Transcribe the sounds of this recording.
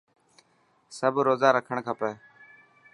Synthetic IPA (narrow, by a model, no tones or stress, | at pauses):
səbʱɾoːzaːɾəkʰəɳkʰəpɛː